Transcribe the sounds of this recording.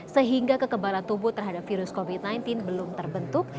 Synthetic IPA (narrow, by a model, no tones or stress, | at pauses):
səɦiŋɡakəkəbalant̪ubʊt̪ːərɦadap̚fiɾʊskovit̪̚najnt̪ɪnbəlʊmt̪ərbənt̪ʊk̚